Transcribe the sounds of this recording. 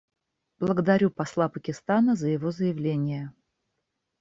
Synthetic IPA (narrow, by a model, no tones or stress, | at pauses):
b̥lˠəɡəd̪ɐɾʲupɐslˠapəkʲɪst̪anəzəjɪvo̞zəjɪvlʲenʲɪjə